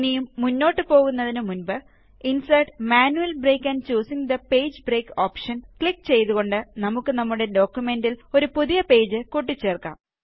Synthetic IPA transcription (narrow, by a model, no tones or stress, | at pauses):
nijumːunːo̞ːʈːɨpo̞ːɣunːɐðinɨmunbɨ | insɐjɖmaːnuʋɐlbre̞ːkʲːaːnt͡ɕuːsiŋd̪ɐpe̞ːd͡ʑbre̞ːkoːpʂɐnkɭikːt͡ɕe̞jt̪uɣo̞ɳɖɨnɐmukːɨnɐmːuɽe̞ɖo̞ːkʲːjume̞ndilo̞ɾupuðijɐpe̞ːd͡ʑɨkuʈ̬ːit͡ɕːeːrka̰ːm